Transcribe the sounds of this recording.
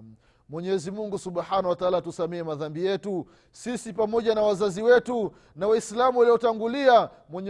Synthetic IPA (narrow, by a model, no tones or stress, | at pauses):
mwɛɲɛɛzimuŋɡusuɓħanawataaːlatusamɛɛmaðambijɛtu | sisipamɔʄanawazaziwɛtu | nawaislamuwaliɔtaŋɡulia | mwɛɲ